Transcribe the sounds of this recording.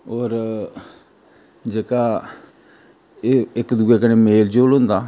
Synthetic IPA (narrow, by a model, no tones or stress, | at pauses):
oːɾ | d͡ʒeːkaː | eːɪkd̪uːeːkəneːmeːld͡ʒoːlɦʊ̃nd̪aː